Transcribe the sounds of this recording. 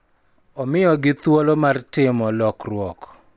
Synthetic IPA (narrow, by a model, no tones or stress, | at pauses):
ɔmɪjɔɡɪt̪wolomartɪmɔlɔkrwɔk